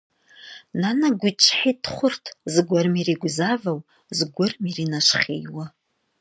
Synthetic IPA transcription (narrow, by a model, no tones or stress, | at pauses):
nanaɡʷit͡ʃʰħitχʷʊrtʰzɡʷarmiriɡʷzavaw | zɡʷʊrmirinaʂχʲḛjwa